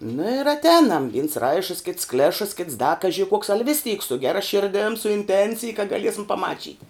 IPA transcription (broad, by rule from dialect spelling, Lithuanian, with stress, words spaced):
nɐ ɪr ɐtʲˈɛːnɐm ʋʲɪns ˈrɐɪʃəs kʲɪts ˈklʲæːʃəs kʲɪts dɐ ˈkɑːʒʲɪ kuɔks ɐlʲ ʋʲɪs tʲiːk sʊ ˈɡʲæːrɐ ˈʃʲɪrʲdʲeːm sʊ ɪnʲˈtʲɛnʲt͡sʲɪj kɐ ɡɐˈlʲiɛsʲɪm pɐˈmɑːt͡ʃʲiːtʲɪ